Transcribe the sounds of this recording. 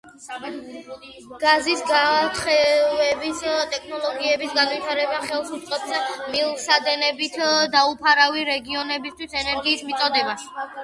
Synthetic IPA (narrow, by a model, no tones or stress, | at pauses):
ɡ̥azisɡat̪χɛvɛbist̪ʼɛkʰnɔlˠɔɡiɛbisɡanvit̪ʰaɾɛbaχɛlˠsut̪sʼqʼɔpsmilˠsad̪ɛnɛbit̪ʰd̪aupʰaɾaviɾɛɡiɔnɛbist̪ʰwisɛnɛɾɡiːsmit̪ʼɔd̪ɛbas